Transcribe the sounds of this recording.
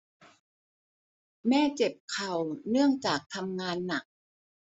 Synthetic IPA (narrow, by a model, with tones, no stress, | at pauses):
mɛː˥˩t͡ɕe˨˩p̚kʰa˨˩wnɯ˥˩əŋt͡ɕaː˨˩k̚t̪ʰa˧mŋaː˧nːa˨˩k̚